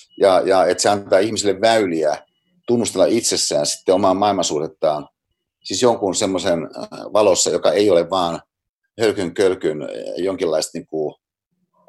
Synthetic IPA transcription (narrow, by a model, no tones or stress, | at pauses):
jɑjɑet̪seɑnt̪ɑːihmisilːeʋʋæyliæ | t̪unːust̪elːɑit̪sesːæːnsi̥t̪ːeomɑːmɑilmɑsuːret̪ːɑːn | sisjoŋkunsemːosenʋɑlosːɑjokɑeioleʋʋɑːn | hølkyŋkølkynjoŋkilːɑist̪niːŋku